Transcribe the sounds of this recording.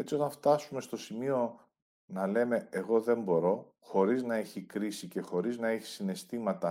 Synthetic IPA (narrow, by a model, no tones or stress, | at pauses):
e̞t͡sio̞t̪ɐnft̪ɐsume̞st̪o̞simio̞ | nɐle̞me̞eɣo̞ðe̞mbo̞ɾo̞ | xo̞ɾiznɐe̞çikɾisice̞xo̞ɾiznɐeçi̥sine̞st̪imɐt̪ɐ